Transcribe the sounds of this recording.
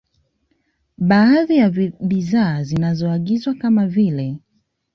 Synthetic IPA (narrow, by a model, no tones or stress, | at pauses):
ɓaːðijaɓiðaːzinazɔaɠizwakamavilɛ